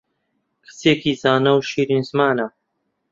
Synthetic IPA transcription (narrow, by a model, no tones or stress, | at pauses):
kʰɨ̥seːkiːzaːnɐwʃiːɾinzmaːnɐ